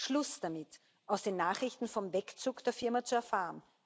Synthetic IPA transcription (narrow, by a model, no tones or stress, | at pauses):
ʃlʊsd̥amɪt | ʔaʊsd̥eːnːaːχʁɪçtn̩fɔmvɛkt͡suːkd̥eːɐfɪɐmat͡suɛɐfaːʁən